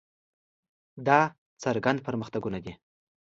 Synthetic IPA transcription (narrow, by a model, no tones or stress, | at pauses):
d̪ɑ | t͡saɾɡand̪̚pəɾməxt̪aɡunad̪i